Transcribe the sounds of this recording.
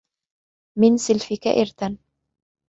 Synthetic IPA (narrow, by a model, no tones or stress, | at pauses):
mɪnsɪlfɪka̰ʔɪɾt̪an